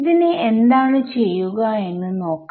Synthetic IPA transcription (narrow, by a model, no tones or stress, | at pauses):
ðinɨend̪aːɳɨt͡ɕe̞jːuɣɐe̞nːɨno̞ːkː